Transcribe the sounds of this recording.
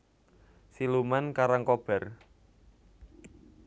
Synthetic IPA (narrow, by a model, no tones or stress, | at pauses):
silumankaɾaŋkob̥ɛ̤r